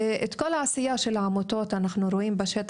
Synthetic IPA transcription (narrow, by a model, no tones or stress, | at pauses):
ʔet̪kolaʕasɪjaʃelʕamot̪ot̪anaχnuɾoʔimbaʃet̪